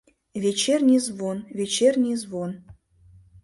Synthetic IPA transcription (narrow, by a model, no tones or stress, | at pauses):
vʲet͡ɕernʲijzvonvʲet͡ɕernʲijzvon